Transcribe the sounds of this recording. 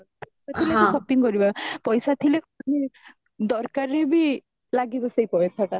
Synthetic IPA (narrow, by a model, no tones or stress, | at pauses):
pɔjsat̪ʰilesɔpiŋkɔɾibapɔjsat̪ʰilekɔni | d̪ɔɾkaɾːebi | laɡibɔsejpɔet̪ʰat̪a